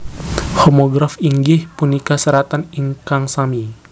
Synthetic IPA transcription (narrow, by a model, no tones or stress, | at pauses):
hɔmoɡɾafiŋɡɪhpunikasəɾat̪aniŋkaŋsami